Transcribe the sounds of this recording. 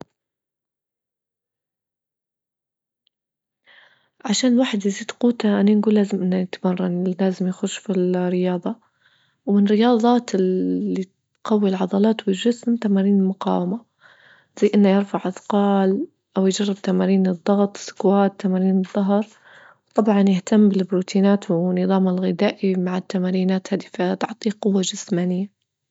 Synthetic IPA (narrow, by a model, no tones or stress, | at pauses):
ʕaʃaːnɪlwaːħɪd̪jɪziːd̪quːt̪aʔaninɡuːlːaːzɪmʔɪnːajɪt̪amɑrˤːɑnlaːzɪmjaxʊʃfilrɪjɑːðˤɑ | wmɪnrɪjɑːðˤɑːt̪ɪːi | qɑwːilʕɑd̪ˤɑlɑːt̪bɪʒɪsmt̪amaːɾiːnɪlmʊqɑ̰ːwama | z̥ajːʔɪnːajɪɾfaʕʔɑθqɑːl | ʔawjd͡ʒɑrˤːɪb̚t̪amaːɾiːnɨd̪ˤːɑɣt̪ˤsʊ̥kwaːt̪ːamaːɾiːnɨðˤːɑɦɾˤ | wt̪ˤɑbʕɑnjɪht̪amːbɪlbɾuːt̪ʰiːnaːt̪wnɨðˤɑːmɪlɣɪd̪aːʔimaʕat̪ːamaːɾiːnaːt̪haːd̪ift̪ʊʕt̪ˤiːqʊwːad͡ʒɪsmaːnɪjːa